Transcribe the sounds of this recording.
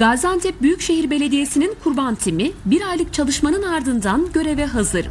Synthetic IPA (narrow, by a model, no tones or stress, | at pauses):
ɡ̥azant̪ʰɛp̚byjycʃe̞ɦiɾbe̞lʲe̞d̪ije̞sininkʰuɾbant̪ʰimibiɾajlˠɯk̚t͡ʃʰalˠɯʃmanɯnaɾd̪ɯnd̪anɟø̞ɾevɛɦazɯɾ